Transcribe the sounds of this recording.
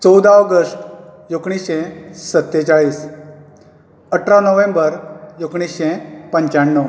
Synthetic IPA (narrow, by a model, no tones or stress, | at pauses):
t͡səwd̪aɔɡəsʈjokɳ̃iɕẽsət̪ːet͡ɕaɭiːs | əʈʰɾanəʋẽmbəɾjokɳ̃isɕẽpəɲt͡ɕaɳːəw